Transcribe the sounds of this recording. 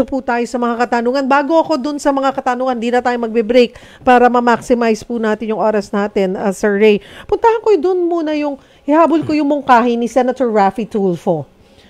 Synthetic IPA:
oput̪aːjosɐmɐŋakɐt̪ɐnuːŋɐnbaːɡo̞ɐko̞d̪ʊnsɐmɐŋakɐt̪ɐnuːŋɐnd̪iːnɐt̪aːjomɐɡ̚bɛbɾejk̚ | paːɾɐmɐmaksɪmajspunaːt̪ɪnjʊŋʔo̞ːɾɐsnaːt̪ɪnɐsɛɹɹɛjpʊnt̪ɐhɐnkojd̪ʊnmuːnɐjʊŋ | hɪhaːbolkojʊŋmʊŋkaːɦɪnisɛnɐt̪oɹːafit̪ulfo

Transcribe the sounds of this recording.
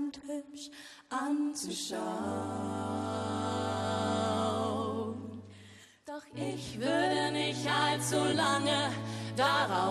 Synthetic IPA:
nthʏpʃ | ʔant͡suʃa | ən | d̥ʔɪçv̥ʏɐdənɪçtʔalt͡sulaŋəd̥aʁaʊ

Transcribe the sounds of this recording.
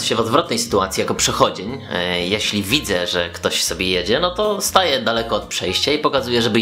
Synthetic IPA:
ɕɛvɔd̪vɾɔt̪̚nɛjsɘ̥t̪uat̪sʲijakɔpʂɛxɔd͡ʑeɲjɛɕlʲivʲid̪zɛʐɛkt̪ɔɕsɔbʲjejed͡ʑɛnɔt̪ɔst̪ajɛd̪alɛkɔːt̪pʂɛjɕt͡ɕaipɔkazujɛʐɛbɘ

